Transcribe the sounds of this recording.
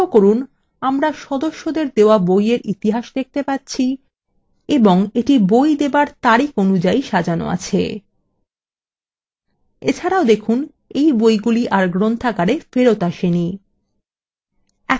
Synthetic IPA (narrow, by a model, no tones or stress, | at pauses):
okoɾun | amɾaʃɔd̪oʃːod̪eɾd̪eoabojeɾit̪iɦaʃd̪ek̚t̪epatːɕʰi | eboŋeʈibojd̪ebaɾt̪aɾikonud͡ʑaiʃad͡ʑano̰a̰t͡ɕʰḛ | et͡ɕʰaɾaod̪ekʰun | ejbojɡuliʔaɾɡɾont̪ʰakaɾefeɾot̪aʃeni | ɛ